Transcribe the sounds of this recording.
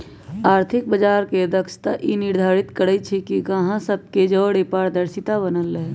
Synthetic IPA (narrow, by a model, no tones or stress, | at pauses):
aːɾt̪ʰɪk̚bəd͡ʒaːɾked̪əkst̪aʔinɪɾd̪ʱaːɾɪt̪kəɽəit͡ʃʰikikəɦãsəb̚ked͡ʒɔːɽepaːɾd̪əɾsɪt̪abənəlːeɦ